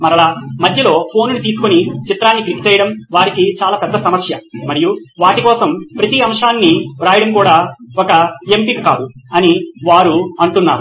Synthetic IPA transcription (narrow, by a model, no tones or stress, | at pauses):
mɐɾɐlaːmɐd̪ʱjɐlo̞ːpʰo̞ːnunut̪iːs̬u̥konit͡ʃit̪ɾaːnːiklikt͡ʃɛjɐɽɐmʋaːɾikit͡ʃaːlaːpɛd̪ːɐsɐmɐsjɐmɐɾijuʋaːʈikɔːsɐmpɾɐt̪iɐmʂaːnːiɾaːjɐɽɐmkuːɽaːɔkɐempikikaːd̪uɐniʋaːɾuɐɳʈunːa̰ːɾu